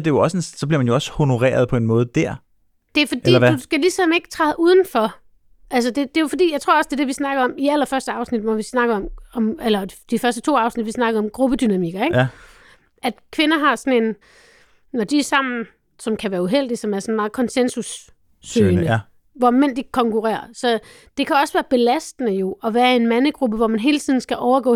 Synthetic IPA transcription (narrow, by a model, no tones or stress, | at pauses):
d̥e̝joɒ̽senssɒ̽b̥liɐmænjoɒ̽sho̝no̝ʁɛ̰ːɐð̞ˠpʰɒ̽e̝nmɔ̽ːð̞̩ˠd̥æɐ̰ | d̥e̝æɐfɒd̥ḭlɐdusɡ̥ælisɒ̽me̝ɡ̥ə̥t͡sʰʁɑ̈ɪð̩ˠʔuð̞ˠn̩fɒ̽ | ʔælsɐd̥e̝d̥e̝jo̝fɒ̽d̥ḭːjɑaɪt͡sʰʁo̰ɐɒ̽sd̥e̝d̥e̝ʋisnɑ̈ɡ̥əɒ̽miæl̰ɐfɶɐsd̥əɑ̈ʊsnid̥ʋɒʋisnɑ̈ɡ̥ɒ̽mɒ̽melɐd̥ifɶɐsd̥ət͡sʰo̝̰ːɑ̈ʊsnid̥ʋisnɑ̈ɡ̥əð̩ˠɒ̽mɡ̥ʁub̥əd̥ynæmiɡ̥ɐeɡ̥ | ʔæd̥kʰʋe̝nɐɦɑ̈sɒ̽ne̝n | nɒd̥iæsɑ̈m̰n̩ | sɒ̽mkʰæʋæːɐuɦel̰d̥isɒ̽mæɐsɒ̽n̩mɑ̈ːð̞̩ˠkʰɒ̽nsensusː | ø̰ːnnə | ʋɒmen̰d̥ikʰɒ̽ŋkʰuʁɛ̰ːɐ̰sɒ̽ | d̥e̝kʰæɒ̽sʋæːɐb̥e̝læsd̥ənəjo̝ʔɒʋæːɐe̝nmænəɡ̥ʁub̥əʋɒmænɦe̝ːlt͡sʰḭðˠn̩sɡ̥æʔɒʊɐɡ̥ɔ̰ː